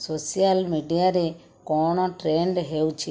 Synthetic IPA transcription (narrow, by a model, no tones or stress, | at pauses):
sosijalmiɖijaɾe | koːɳõʈɾeːɳɖɦewt͡ʃ